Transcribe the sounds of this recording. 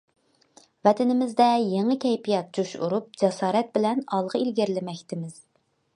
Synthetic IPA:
vɛt̪ʰɪnɪmɪzd̪ɛjeŋɨkʲɛjpijɑt̪̚d͡ʒuʃṵɾup̚d͡ʒɛsɑːɾɛt̪̚bɪlɛnɑlˠʁəilɡʲɪɾlɪmɛkʲt̪ʰɪmɪz̥

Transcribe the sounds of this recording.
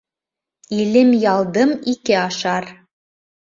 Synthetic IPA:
ilɘmjɑlˠd̪ɤmikɘɑʃɑɾ

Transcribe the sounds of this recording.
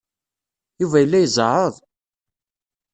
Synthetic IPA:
juvæjəlːæjzˤəɾəðˤ

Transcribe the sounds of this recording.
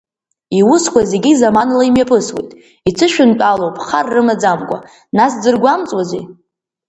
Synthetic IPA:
iwʊskʷaze̞ɡʲizamanlaimjapʰɨswḛjtʼ | it͡sʰɨʃᶣʊnpʼalowpʼχarːɨmad͡zamkʷʼa̰ | nasd͡zɨrɡʷamt͡sʼwazḛ

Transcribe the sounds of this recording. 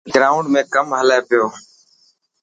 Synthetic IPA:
ɡɾaːʊ̃ɳɖmẽːkəmɦəleːpɪjoː

